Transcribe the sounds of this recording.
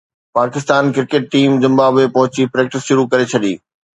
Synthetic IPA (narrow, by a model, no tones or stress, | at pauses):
paːkɪst̪aːnkɪɾkeːʈ̚ʈiːmzɪ̃mbaːbepɐɦʊt͡ɕipɾeːk̚ʈɪsʃʊɾukɐɾet͡ɕʰɐɗḭː